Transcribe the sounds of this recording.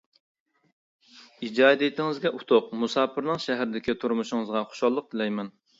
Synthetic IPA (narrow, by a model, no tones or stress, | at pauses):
id͡ʒɑːd̪et̪ʰɪŋɪzɡʲɛʔut̪ʰoqmusɑːpʰɨɾnɨŋʃæɦæɾɪd̪ɪkʲit̪ʰuɾmuʃɪŋɨzʁɑχo̥ʃɑlˠːəq̚t̪ʰɪlɛjmɛn